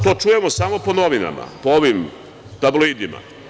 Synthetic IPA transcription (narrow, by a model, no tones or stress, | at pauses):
t̪o̞ːt͡ʃuje̞mosamo̞po̞noʋina̰ma̰pooʋim | t̪abloiːd̪ima̰